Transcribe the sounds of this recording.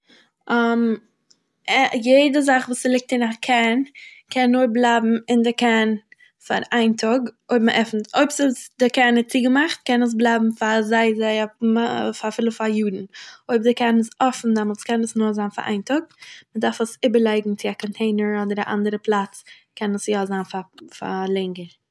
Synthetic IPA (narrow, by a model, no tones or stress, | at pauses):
ɔm | ɛjeɪdəzaχvuːslˠɪk̚tɪnakʰɛnkʰɛnːʊɾblˠaɪbm̩ɪndəkɛn | fa̰ɾaɪntʰɔɡoɪbməʔɛfn̩toɪpsɪsdɪkɛɾnɪt͡siɡəmaχt̚kɛnəs̬blˠaɪbm̩fazaɪzaɪafafɪlˠəfajuːdn̩oɪb̚dɪkɛnəsɔfn̩dɛmlˠskɛnəsnʊːɾzaːnfa̰ɾʔa̰ɪntɔɡ̚mədaɾfəsɪbəɾlˠaɪɡŋ̩t͡sɪakɔntʰeɪnəɾɔdəɾaʔa̰ndəɾəplˠat͡s | kʰɛnəsjaːzanfafa̰lˠɛŋɡəɾ